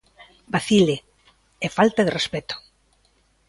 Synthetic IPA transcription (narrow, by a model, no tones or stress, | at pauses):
baθile | efalt̪aðerespɛt̪ʊ̥